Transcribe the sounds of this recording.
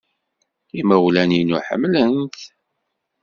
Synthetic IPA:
iməwlæninuħə̰mːlənt̪

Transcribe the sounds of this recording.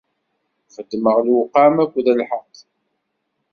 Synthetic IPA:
fəd̪ːməʁlwʊqːɑmækʷːðælħəqː

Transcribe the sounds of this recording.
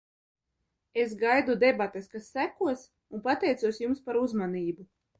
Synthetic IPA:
ezɡajd̪ud̪ebat̪eskasːækuɔs | unpat̪ɛjt̪suɔsjumspaɾuzmaniːbu

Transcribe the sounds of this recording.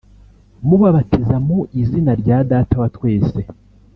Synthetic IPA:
muβaβatʰizamoʔizinaɾɟaːdaːtawatwe̞ːse

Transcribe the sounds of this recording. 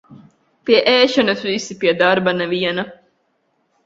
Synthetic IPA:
piɐʔæːʃɐnɐsuisipiɐd̪aːɾbɐnɐʋijɐnɐ

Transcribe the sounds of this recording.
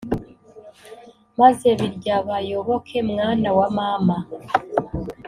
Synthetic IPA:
maze̞βiɾɟaβajo̞βo̞kʰe̞mŋaːnawamaːma

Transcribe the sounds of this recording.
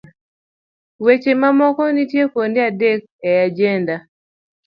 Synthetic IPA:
wet͡ʃemamɔkɔnitjekondeadek̚ɛad͡ʒɛnda

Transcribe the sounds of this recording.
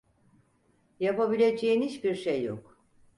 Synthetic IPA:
japabilʲe̞d͡ʒejinit͡ʃbiɾʃejːo̰k

